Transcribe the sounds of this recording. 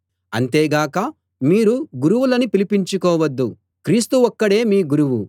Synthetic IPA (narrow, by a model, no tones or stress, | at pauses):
ɐnt̪e̞ːɡaːkɐ | miːɾuɡuɾuwulɐnipilipiɲt͡ʃukɔːʋɐd̪ːu | kɾiːst̪uɔkːɐɽe̞ːmiːɡuɾuʋu